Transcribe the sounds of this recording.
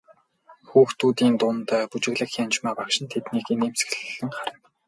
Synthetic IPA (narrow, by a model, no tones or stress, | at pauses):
xuːxt̪uːt̪iːnt̪ʊnt̪ːput͡ɕɪ̆ɣɮə̆xxʲant͡ɕmaːpakʃɪ̆nt̪ʰet̪niːkeneːms̆xɮɘ̆ɮɘ̆ŋχaɾɪ̆m